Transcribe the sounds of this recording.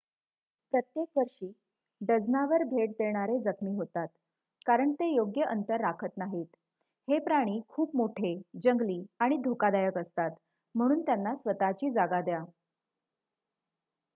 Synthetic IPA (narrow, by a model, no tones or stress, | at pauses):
pɾət̪jekʋəɾʂiː | ɖəd͡znaʋəɾbʱeʈ̚d̪eɽ̃aɾed͡zəkʰmiːɦot̪at̪ | kaɾəɳt̪ejoɡjəʔənt̪əɾːakʰət̪naɦiːt̪ | hepɾaɽ̃iːkʰuːp̚moʈʰed͡ʑəŋɡliːaɽ̃id̪ʱokad̪ajəkəst̪at̪ | m̤əɽ̃uːnt̪janːasʋət̪at͡ɕiːd͡zaɡad̪ja